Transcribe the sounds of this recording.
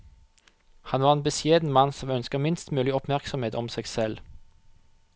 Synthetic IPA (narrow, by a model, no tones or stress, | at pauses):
hɑnʋɑːʁeːnbəsjeːd̪n̩mɑnsɔmœnskəʁmɪnst̪mʉːlɪɔpmæʁksɔmheːt̪ɔmseːɡsɛl